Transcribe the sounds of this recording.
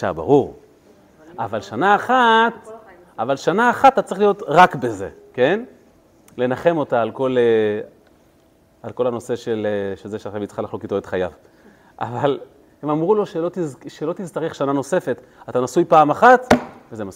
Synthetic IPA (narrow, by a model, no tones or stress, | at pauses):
ʃa̰ba̰ʁuʁ | avalʃanaːχat | avalʃanaːχat̪ːatat͡sʁeiχlijo̞t̪ʁakbe̞ze̞̰ke̞n | lenaχe̞mo̞taːlko̞le | alko̞lano̞se̞ʃe̞leʃezeʃeaχʃavit͡sχalaχlokitoet̪χajav | ʔa̰val | he̞mamʁulo̞ʃelot̪izʃelo̞t̪izt̪aʁeχʃanano̞se̞fe̞t̪ | at̪anasujpaːmaχatvezemas